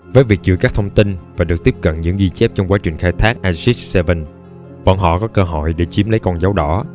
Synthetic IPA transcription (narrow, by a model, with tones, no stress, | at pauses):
vəː˨˦jvi˨˩ək̚t͡ɕɨ̰˧˩kaː˦˥k̚t̪ʰə˧wŋ͡mt̪i˧nvaː˨˩ɗɨ˨˩ək̚t̪i˦˥əp̚kə̰˧˨nɲɨ̰˧˥ŋzi˧t͡ɕɛ˦˥p̚t͡ɕɔ˧wŋ͡mkwaː˨˦t͡ɕï˨˩ŋ̟xaː˧jt̪ʰaː˦˥k̚ʔaː˧si˦˥sɛ˧və˧˩n | ɓɔ̰˧˩nɦɔ̰˧˨kɔ˨˦kəː˧ɦɔ̰˧˨jɗe˧˩t͡ɕi˨˦əmlə˨˦jkɔ˧nza˨˦wɗɔ̰˧˩˥